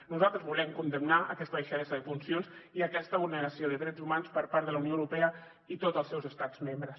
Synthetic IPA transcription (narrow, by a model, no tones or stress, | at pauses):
nuzalˠt̪ɾəzβulɛmkund̪əmnaəkɛst̪əβəʃəðɛsəðəfunsionsiəkɛst̪əβulˠnəɾəsioðəðɾɛd͡zumanspəɾpaɾt̪ðələwnioəwɾupɛə | it̪ot̪əlˠsɛwzəst̪ad͡zz̥membɾəs